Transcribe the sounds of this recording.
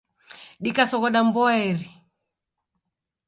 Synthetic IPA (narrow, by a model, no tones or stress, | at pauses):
ɗikasɔɣɔɗambɔɛɾi